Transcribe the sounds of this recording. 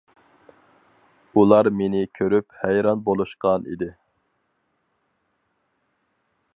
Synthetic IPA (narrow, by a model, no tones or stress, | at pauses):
ulˠɑɾmenɪkʲʰøɾyphæjɾɑnbolˠuʃqɑnḭd̪ɪ